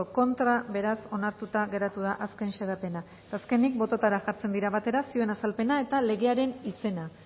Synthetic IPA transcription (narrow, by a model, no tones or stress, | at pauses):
oko̞nt̪ɾaβe̞ɾaso̞naɾt̪ut̪aɣe̞ɾat̪uð̞aʔaske̞nʃe̞ð̞ape̞na | t̪aske̞nik̚bo̞t̪o̞t̪aɾaʝaɾt͡se̞nd̪iɾaβat̪e̞ɾasioe̞nasalpe̞nae̞t̪ale̞ɣe̞aɾe̞nise̞na